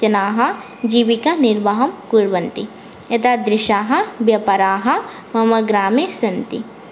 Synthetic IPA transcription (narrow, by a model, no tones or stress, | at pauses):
t͡ʃɐnaːɦɐ | d͡ʒiːʋikɐnɪɾʋaɦɐmkuɽʋɐnt̪i | ɐt̪ad̪ɾɪʃaːɦɐbjɐpɐɾaːɦɐ | mɐmɐɡɾaːmesɐnt̪ḭ